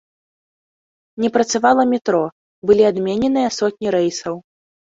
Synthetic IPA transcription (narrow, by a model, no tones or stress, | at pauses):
nʲɛpɾɐt̪savalˠɐmʲɛt̪ɾɔ | bɨlʲiad̪mʲenʲɛnɨjɐsɔt̪̚ʲnʲiɾɛjsɐw